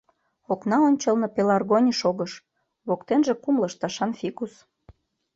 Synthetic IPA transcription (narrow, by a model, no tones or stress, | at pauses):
oknɑonʲt͡ɕəlnɤpelɑrɣonʲiʃoɣəʃ | βokt̪enʒĕkumlə̆ʃt̪ɑʃɑnfikus